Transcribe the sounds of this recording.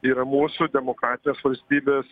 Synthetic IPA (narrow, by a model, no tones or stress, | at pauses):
iːɾɐmuːsʊd̪ʲɛmokɾɑːt̪ʲɪnʲeːsʋɐlʲsʲt̪ʲiːbʲeːs